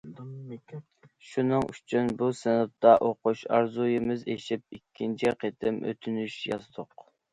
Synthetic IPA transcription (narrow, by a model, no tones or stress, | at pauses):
ʃunɨŋʔy̰t͡ʃʰynbusɪnup̚t̪ʰɑʔoquʃɑɾzujɪmɪzeʃip̚ikʲʰːint͡ʃʰiqʰet̪ʰɪmʔø̰t̪ʰynyʃjɑzɨd̪ʊq